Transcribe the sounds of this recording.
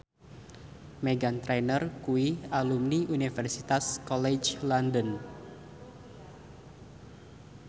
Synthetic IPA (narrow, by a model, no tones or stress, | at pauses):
meɡant̪ɾɛnərkuialumniʔunifɛrsit̪askɔlɛd͡ʒlandən